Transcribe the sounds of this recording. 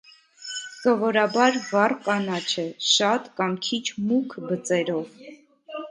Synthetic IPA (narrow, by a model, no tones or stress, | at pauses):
sɔvɔɾɑbɑɾvɑrkɑnɑt͡ʃʰɛʃɑt̪kɑŋkʰit͡ʃʰmukʰbət͡sɛɾɔv